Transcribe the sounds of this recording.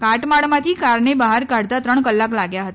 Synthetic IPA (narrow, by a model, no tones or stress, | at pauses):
kaʈmaɭmãt̪ʰikaɾɳebaɦaɾkaɽt̪at̪ɾəɳkəlːaklaɡjaɦət̪a